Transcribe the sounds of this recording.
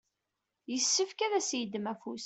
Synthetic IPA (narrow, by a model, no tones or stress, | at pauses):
jəsːəfkæðæsjəd̪mæfus